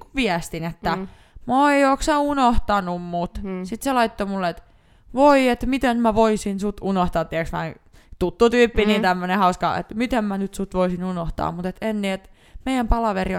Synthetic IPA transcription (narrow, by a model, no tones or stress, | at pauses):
kuʋʋiæst̪inet̪ːæ | moeioːksɑunoht̪ɑnummut̪sit̪selɑit̪ːomulːet̪ | ʋoiet̪mit̪enmæʋoisinsut̪unoht̪ɑːt̪t̪ːiæksmæ̰ | t̪ut̪ːut̪yːpːinint̪æmːønehɑuskɑ̰ḛt̪mit̪emmænyt̪sut̪ʋoisinunoht̪ɑ̰ːmmut̪et̪enːiet̪ | meijæmpɑlɑʋeri